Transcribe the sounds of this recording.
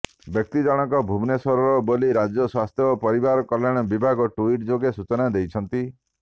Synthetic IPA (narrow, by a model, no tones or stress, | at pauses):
bjɔk̚t̪id͡ʒɔɽ̃ɔŋkɔbʱubnesɔɾɔɾɔboliɾad͡ʒjɔswast̪ʰjɔpɔɾibaɾɔkɔlːaɽ̃ɔbibʱaɡɔʈuiʈd͡ʒoɡesut͡ʃɔnad̪ejt͡ʃʰɔnt̪i